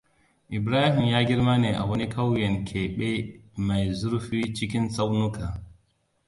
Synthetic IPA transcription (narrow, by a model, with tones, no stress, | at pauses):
ʔɪ˨bɾaː˦ɦi˨mjaː˦ɡʲi˦ɾma˦ne˨ʔa̰˨wɐ˦ni˦kʰa˦wjɛ˨nkʰe˨ɓe˦ma˨jzu˦ɾɸi˦t͡ʃi˦k̬ʲi˦nsa˦wnu˦ka˨